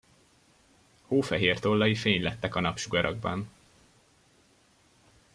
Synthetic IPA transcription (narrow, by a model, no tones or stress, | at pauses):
hoːfɛɦeːrt̪olːɒjifeːɲlɛt̪ːɛkɒnɒpʃuɡɒɾʔɒ̰ɡ̚bɒn